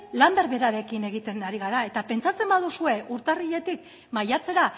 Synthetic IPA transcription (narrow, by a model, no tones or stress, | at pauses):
lambe̞ɾβe̞ɾaɾe̞kine̞ɣ̞it̪e̞naɾiɣaɾae̞t̪ape̞nt͡sat͡se̞mbað̞usue̞ʔuɾt̪ariʎe̞t̪ik | majat͡se̞ɾa